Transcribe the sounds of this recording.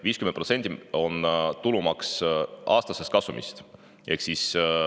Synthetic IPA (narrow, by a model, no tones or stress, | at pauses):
viːskymenpro̞t̪se̞nd̪̥io̞nt̪ulumɑksʔɑːst̪ɑse̞st̪̚kɑsumḭst̪ | e̞hksis